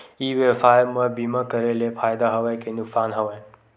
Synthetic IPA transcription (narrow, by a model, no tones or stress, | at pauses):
iwepʰajmɐbimakɐɾelepʰajd̪aɦɐwajkʰenuksanɦɐwaj